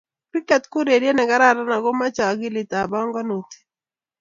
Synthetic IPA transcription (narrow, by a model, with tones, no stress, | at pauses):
kɾi˦kɛ˨tkʊ˦ɾe˨ɾje˦nɛ˨ɡa˦ɾa˦ɾa˦na˨ɡo˦ma˦t͡ʃa˨ɡɪ˦lɪ˨ta˨bɔ˦ŋɡɔ˦no˨ti̥˨